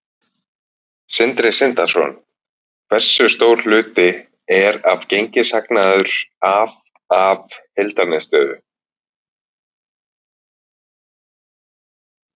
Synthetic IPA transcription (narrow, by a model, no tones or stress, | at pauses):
sɪnt̪ɾɪsɪnt̪ḁsɔ̰n | kvɛr̥sʏst̪oːwɾ̥l̥ʏːt̪ɪ | ɛɾavcejɲcɪsaknaðʏɾ̥av | avhelt̪anɛst̪œːðʏ̰